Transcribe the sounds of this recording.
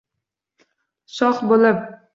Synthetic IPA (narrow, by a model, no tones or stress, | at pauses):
sɒχbolɪp̚